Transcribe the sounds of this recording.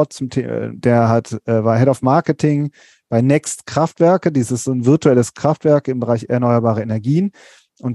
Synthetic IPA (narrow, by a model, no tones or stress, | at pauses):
t̚t͡sʊmtʰːdeːɐɦatʔɛvaɐɦɛdafmaɐkətʰɪŋ | b̥aɪnɛkstkʁ̥aftv̥ɛɐkədiːsɪstz̥oːnvɪɐtuɛləskʁ̥aftv̥ɛɐkɪmbəʁaɪçɛɐnɔʏɐbaːʁ̞ɐenɛɐɡiːən | ʔʊnt